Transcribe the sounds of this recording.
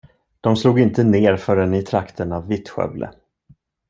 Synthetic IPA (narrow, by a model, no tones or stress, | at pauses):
d̪̥ɔmsluːɡɪnt̪əneːɾfœɖɛnɪt̪ʰɾakt̪ʰənavːɪt̪ɧœ̰blʔə̰